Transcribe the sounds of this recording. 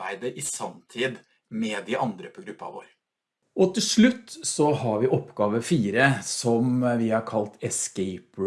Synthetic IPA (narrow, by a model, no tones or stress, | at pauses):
æɪd̪əɾʔɪsɑnt̪ʰiːd̪ | mɛd̪ɪʔɑnd̪ɾəpʰɔɡɾʉpːɑ̰ʋo̰ːɾ | ʔɔt̪ʰɪlʂɭʉt̪ːsɔhɑɾʋɪʔɔpːɡɑːʋəfiːɾəsɔmʋɪhɑkʰɑlt̪ɛskɛɪp